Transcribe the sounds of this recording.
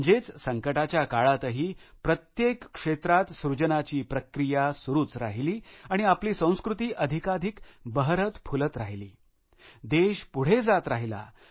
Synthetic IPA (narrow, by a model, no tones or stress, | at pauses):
d͡ʑet͡ssəŋkəʈat͡ɕjakaɭat̪əɦiːpɾət̪jekːʂet̪ɾat̪sɾud͡ʑənat͡ɕiːpɾəkɾijasuɾuːt͡sɾaɦiliːaɽ̃iapliːsə̃w̃skɾut̪iːʔəd̪ʱikad̪ʱikbəɦɾət̪pʰulət̪ɾaɦilḭː | d̪eɕpuɽ̤ed͡zat̪ɾaɦila̰